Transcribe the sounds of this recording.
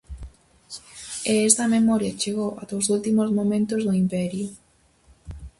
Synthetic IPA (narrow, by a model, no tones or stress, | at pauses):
eɛst̪ɐmemɔɾjɐt͡ʃeɣowʔɐd̪owzult̪imozmomẽnt̪ʊzðʊimpɛɾjʊ